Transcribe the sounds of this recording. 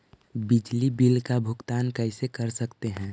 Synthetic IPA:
bɪd͡ʒlibilkabʱʊɡt̪aːnkəɪsekəɾsəkt̪eɦɛ̃ː

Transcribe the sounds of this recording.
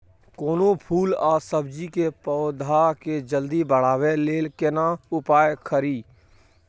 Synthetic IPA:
koːnopʰuːlaːsəbd͡ʒikepɔːd̪ʱaked͡ʒəld̪ibəɽ̤aːweleːlkenaʊpaːjkʰəɾiː

